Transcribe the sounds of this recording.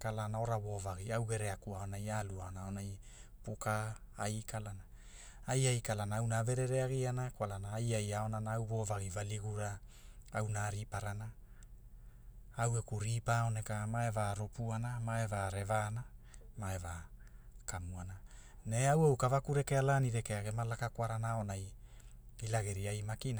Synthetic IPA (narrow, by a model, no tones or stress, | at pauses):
kalanao̞ɾaβo̞vaɡiawɡe̞ɾe̞akuao̞najaluaonaonaj | pukaː | jkalana | ajajkalanaawnave̞ɾe̞ɾe̞aɡianakwalanaːjajao̞nanaawβo̞vaɡivaliɡuɾa | awnaɾipaɾana | awekuɾipaone̞kamae̞vaɾopuanamae̞vaɾe̞vaːnamaeva | kamuana | ne̞awawkavakuɾe̞ke̞alaːniɾe̞ke̞aɡe̞malakakwaɾanaonaj | ilaɡeɾiajmakina